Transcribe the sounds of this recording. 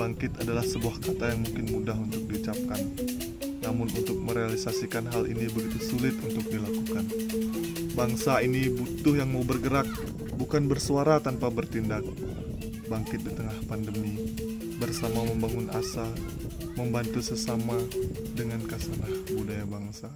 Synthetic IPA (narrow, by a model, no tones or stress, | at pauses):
baŋkɪt̪adalahsəbuahkat̪ajaŋmuŋkɪnmudaɦunt̪ʊk̚diut͡ʃap̚kanː | amʊnṵnt̪ʊk̚məɾealisasikanɦalʔḭnibəɡit̪usulɪt̪unt̪ʊk̚dilakukan | baŋsainibut̪ʊhjaŋmaubərɡəɾak̚ | bukanbərsuaɾat̪anpabərt̪indak̚ | baŋkɪt̪̚dit̪əŋahpandəmi | bərsamaməmbaŋʊnʔasa | məmbant̪usəsamadəŋankasənahbudajabaŋsa